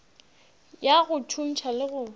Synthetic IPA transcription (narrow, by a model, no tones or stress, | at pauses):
jaɣʊt͡ʃʰun̩t͡ʃʰalɪɣʊ